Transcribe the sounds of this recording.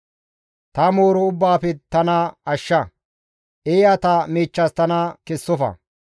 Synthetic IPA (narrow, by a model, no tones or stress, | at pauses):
t̪ɐmoːɾɔʊbːaːfɛt̪ɐnɐɐʃːɐ | ʔeːjɐt̪ɐmiːt͡ʃːɐst̪ɐnɐkɛsːɔfɐ̰